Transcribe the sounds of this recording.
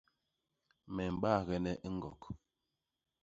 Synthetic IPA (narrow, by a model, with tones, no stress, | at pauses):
mɛ˨m̩˨ɓa˦˨ɣɛ˦nɛ˦ʔŋ̩˦ɡɔ̰˨k